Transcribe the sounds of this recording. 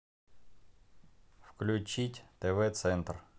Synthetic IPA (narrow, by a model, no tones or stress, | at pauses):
fklʲʊt͡ɕitʲt̪ɛvɛt̪sɛnt̪r